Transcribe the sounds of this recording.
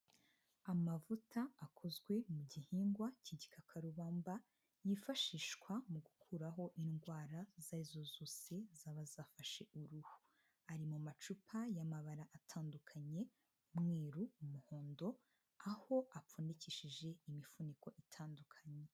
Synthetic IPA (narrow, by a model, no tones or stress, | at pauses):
amavutʰaːkʰo̞zɡwe̞muɟihiːŋɡwaciɟikʰakʰaɾuβaːmba | jifaʃiːʃkwamuɡukʰuɾaɦo̞ʔinɡwaːɾazaizozoːse̞zaβazaːfaʃe̞ʔuɾuhu | aɾimumat͡ʃupʰajamaβaɾaʔatʰaːndukʰaɲe̞ | umŋeːɾuumuho̞ːndo̞ | aho̞ʔapuːndiciʃiʒe̞imifuniko̞ʔitʰaːndukʰaɲe̞